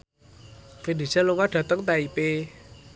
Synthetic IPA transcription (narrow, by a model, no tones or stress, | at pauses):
fenesaloŋaɖ̥ä̤t̪əŋt̪aipe